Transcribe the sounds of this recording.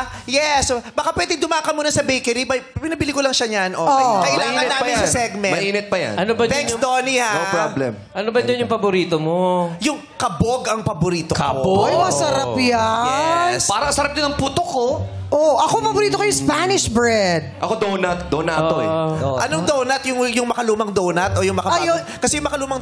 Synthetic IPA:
jɛsbɐkapwɛːd̪ɪŋd̪ʊmaːkɐmuːnɐsɐbɛjkɛɾibɐjpɪnɐbɪlikolɐŋʃɐɲanʔookɐʔɪlaːŋɐnnaːɐɪnsɐnsɛɡ̚mɛnmɐʔiːnɪt̪̚pɐjɐ̰nɐnobɐɛ̃ŋksd̪oːnihaopɾoblɛ̰m | ʔɐnobɐnd͡ʒɐnjʊŋpɐbʊɾiːt̪omojʊŋ | kɐboɡɐŋpɐbʊɾiːt̪oboɐjʊŋɐsɐɾapjaɛnspaːɾɐsɐɾɐp̚d̪ɪnɐŋput̪oko | ʔoʔɐkopɐbʊɾiːt̪okojʊŋspanɪʃbɹɛd̪̚ʔɐkod̪onɐt̪̚d̪onɐʔt̪oʔɐnoŋd̪onɐt̪jʊŋjʊŋmɐkɐluːmɐŋd̪ownɐt̪ojʊŋmɐkɐɐjo | kɐsɛjʊŋmɐkɐluːmɐŋ

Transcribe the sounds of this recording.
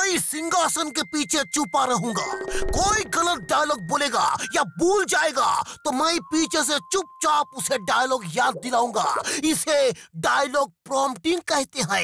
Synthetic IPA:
oisɪ̃ŋɡaːsənkepiːt͡ʃʰet͡ʃʊpaɾɐɦũːɡa̰ːkoːiɡɐlət̪̚ɖaːjlɔːɡ̚boːleːɡa̰ːjabuːld͡ʒaːeːɡa̰ːt̪omɛ̃ipiːt͡ʃʰes̬ẽt͡ʃʊp̚t͡ʃaːpʊseɖaːjlɔːɡjaːd̪̚ːɪlaːũːŋɡa̰ːɪseɖaːjlɔːɡ̚pɾɔːmpʈɪ̃ŋɡ̚kɛɦt̪eɦɛ̃

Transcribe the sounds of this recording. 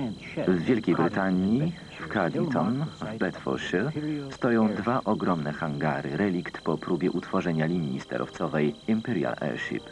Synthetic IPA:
vːʲjɛlkʲejbɾɘt̪aɲi | fkad̪ʲit̪ʰɔnvbɛt̪fɔ̰ɾɕɛst̪ɔjɔ̃w̃d̪vaʔɔɡɾɔmnɛxaŋɡa̰ɾɘ̰ɾɛlʲikt̪pɔpɾubʲjɛʔut̪fɔʐɛɲalʲimʲḭst̪ɛ̰ɾʔɔ̰ft̪sɔvɛjimpɛɾja̰lɛ̰ɾɕḭp

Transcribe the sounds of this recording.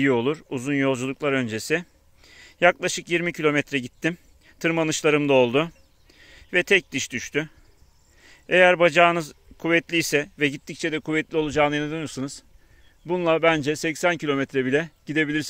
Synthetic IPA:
jio̞lˠuɾuzunjo̞lˠd͡ʒulˠuklˠaɾø̞nd͡ʒesɪ | jaklˠaʃɯkjiɾmicʰilʲo̞mɛt̪ɾɛɟit̪ʰːim | t̪ʰɯɾmanɯʃlˠaɾɯmd̪ao̞lˠd̪ʊ | vɛt̪ʰɛc̚d̪ɯʃd̪yʃt̪ʰy | e̞jæɾbad͡ʒaːnɯzkʰuvɛt̪lʲijsɛvɛɟit̪ʰːic̚t͡ʃʰɛd̪ɛkʰuvɛt̪lʲio̞lˠud͡ʒaːnɯjanɯd̪ønijoɾsanɯz̥ | bunlˠabænd͡ʒɛsɛcsæncʰilʲo̞mɛt̪ɾɛbilʲɛɟ̥id̪e̞bilʲiɾs

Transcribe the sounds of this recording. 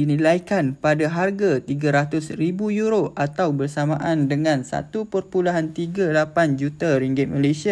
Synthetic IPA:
inĩlajkanpadaɦarɡat̪iɡaɾat̪ʊsribujuɾoʔat̪awbərsamãʔandəŋãnsa̰t̪upərpulaɦant̪iɡalapand͡ʒut̪aɾiŋɡɪt̪̚malesia

